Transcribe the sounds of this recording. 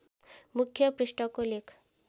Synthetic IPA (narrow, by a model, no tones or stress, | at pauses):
mukʰjʌpɾɪsʈɔkolekʰ